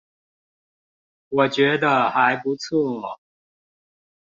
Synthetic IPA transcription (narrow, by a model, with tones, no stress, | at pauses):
wɔ˨˩t͡ɕɥɛ˧˥d̪ə˧xa˧˦˥ɪpu˧˥t͡sʰu˥˩lə˩